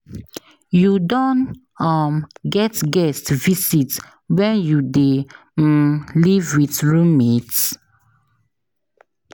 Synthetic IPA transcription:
judɔ̃n | ɔmɡɛtɡɛstvisit | wɛ̃njude | livwiθɹũmmet

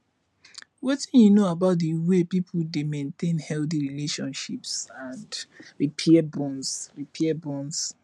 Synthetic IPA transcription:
wetĩnjunoabaʊt̚diwepipʰudemẽntʰẽnhɛlθiɹileʃɔ̃nʃipsãndɹipʰɛbɔ̃nsɹipʰɛɛbɔ̃ns

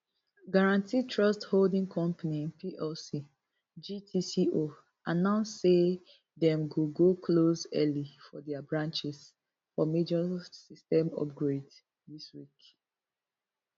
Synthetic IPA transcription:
ɡaɹãntʰitʰɹɔstholdĩŋkʰɔ̃mpaniĩnpʰiʔɛlsi | d͡ʒitʰisiʔo | anãʊnsse | dɛ̃mɡuɡokʰlosɛlifɔdɛabɹãnt͡ʃis | fɔmed͡ʒɔsistɛ̃mɔ̰p̚ɡɹed | diswik

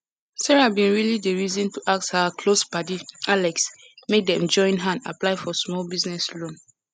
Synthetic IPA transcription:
sɛɹabĩnɹilidəɹizɔ̃ntuʔak̚thakʰlosbadialɛks | mek̚dɛɛ̃nd͡ʒɔ̃ɪ̃nɦãnda̰plaɪfɔsmɔlbiznɛslõn

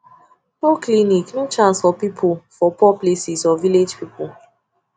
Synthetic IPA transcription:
pokliniknũt͡ʃãnsfɔpipʰufɔpɔplesisɔviled͡ʒpipu

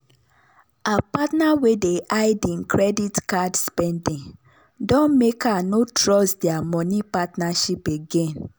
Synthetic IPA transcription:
apatnawedeʔaɪdĩŋkɹɛditkadspɛndĩŋ | dɔ̃nmekanotɹɔsdeamɔnipatnaʃipeɡẽn

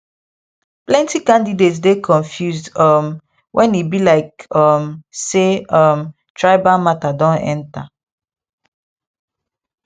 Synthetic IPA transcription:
plɛ̃ntikãndidetsdekʰɔ̃nfjusdʌm | wʔɛ̃nibilaɪkʌmseʌm | tʰɹaɪbamatadɔ̃nɛ̰̃nta̰

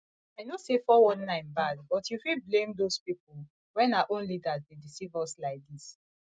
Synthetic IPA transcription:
aɪnosefɔwɔ̃nːãɪ̃mbad̚bɔtjufiblẽmdospipul | wɛ̃naaʔõnlidazdedisivɔslaɪk̚d̪is

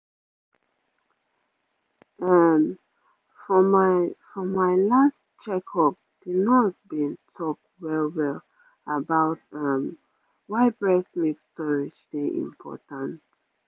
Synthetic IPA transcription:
am | fɔmafɹɔ̃maɪlastt͡ʃɛkʰɔp̚hinɔsbĩntʰɔk̚twɛlwɛl | abaʊtam | waɪbɹɛsmitstɔɹid͡ʒliʔḭ̃mpʰɔ̰tãnt

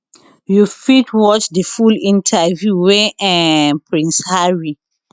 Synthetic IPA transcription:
jufitʰwɔt͡ʃdəfulĩntʰavjuweɛ̃pʰɹĩnshaɹi

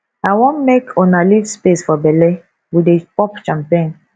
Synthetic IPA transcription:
awõnmekʰonalifspesfɔbɛle | widepɔpt͡ʃãmpẽn

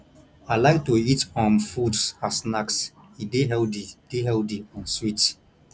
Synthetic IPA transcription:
aɪlaɪk̚toitɔmfudsasnaks | ideɦɛldid̥eɦɛldiɔ̃nswit

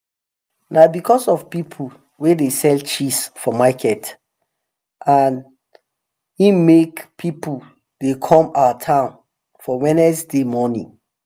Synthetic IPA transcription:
nabikʰɔsɔv̥pipʰu | wedesɛlt͡ʃisfɔmakʰɛt | ʔan | ĩmekpʰipul | dekʰɔ̃mawətʰãʊ̃n | fɔwɛ̃nɛsdemɔnḭ̃ŋ

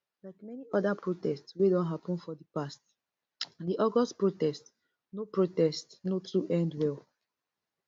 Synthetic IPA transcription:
laɪkmɛniɔdapɹotɛstswedɔ̃nɦapɔ̃nfɔdipast | diʔɔɡɔstpɹotɛst | nopɹotɛstnotɹuʔɛ̃ndwɛl

